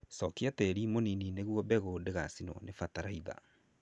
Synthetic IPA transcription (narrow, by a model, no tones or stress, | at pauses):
sɔkiatɛɾimoninineɣwɔbɛɣodeɣasinɔ̰nefataɾaiða̰